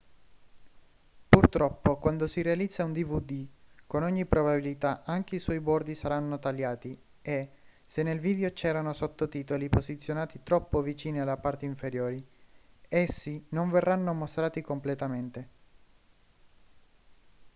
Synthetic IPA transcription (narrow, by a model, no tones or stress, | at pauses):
purt̪ɾɔpːokwand̪osiɾealid̪zːaund̪ivud̪ikonɔɲːipɾoβabilit̪aʔaŋk̟eiswɔjbɔrd̪isaɾanːot̪aljaːt̪i | e | senːelviːd̪eot͡ʃɛːɾanosot̪ːot̪iːt̪olipozit̪sːjonaːt̪it̪ɾɔpːovit͡ʃiːnialapart̪eiɱfeɾjoːɾi | esːinoɱverːanːomost̪ɾaːt̪ikomplet̪ament̪e